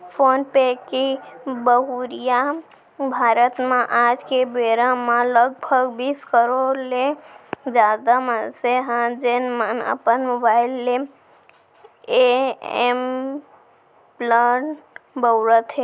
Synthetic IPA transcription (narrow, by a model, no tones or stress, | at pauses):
pʰonpekibəɦuɾija | bʱaɾət̪mãʔad͡ʒkebeɾamaləɡ̚bʱəɡbiskəɾoɾled͡ʒad̪aməseɦãd͡ʒenmənə̰pənmobailːe | eem | bləʈbəwɾət̪ɦe